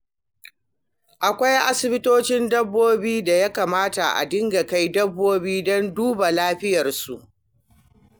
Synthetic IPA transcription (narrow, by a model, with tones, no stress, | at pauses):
ʔa˨kʷa˦jʔa˦sɪ˨bɪ˦toː˦t͡ʃɪ˦ndɐ˦bːoː˦biː˦da˨ja˦kaː˨maː˦ta˨ʔa̰˨dɪ˦ŋɡa˨ka˦jdɐ˦bːoː˦biː˦dɔ˦nduː˦ba˨laː˦ɸɪ˦jɐ˨rsu˨ʔ